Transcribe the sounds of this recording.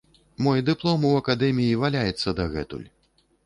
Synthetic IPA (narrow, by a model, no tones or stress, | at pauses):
mɔjd̪ɨplˠɔmuɐkad̪ɛmʲijivalʲajɛt̪sːɐd̪ɐɣɛt̪ṵlʲ